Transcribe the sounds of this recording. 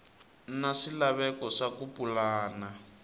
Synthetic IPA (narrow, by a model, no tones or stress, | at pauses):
naʂilaβɛkɔʂakupulaːna